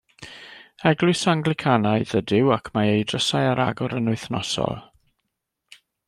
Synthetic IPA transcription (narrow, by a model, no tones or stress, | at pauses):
ɛɡlˠʊɨsaŋɡlɪkʰanaɨðədɪwakʰmaejdrəsajaɾa̰ɡɔɾənʊɨθnɔsɔ̰lˠ